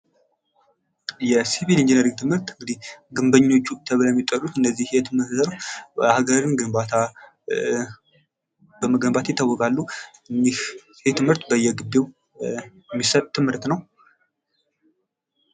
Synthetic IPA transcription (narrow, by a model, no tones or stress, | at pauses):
jɛsiβilind͡ʒinəɾiɡ̚t̪ʰɨmhɨɾt̪ɨŋɡɨd̪ihɡɨmbəɲːo̞t͡ʃːut̪ʰəβɨləjmːit̪ʼːərut̪ɨnːəzːihet̪ʰɨmɨt̪ɾaɡəɾɨnɡɨmbat̪ʰa | bəməɡəmbat̪jɪt̪ʰːawːɔɡalːuɨndih | het̪ʰɨmɨɾt̪bəjːɛɡɨb̪ew | ɛmːisət̪ʰɨmhɨɾt̪nəw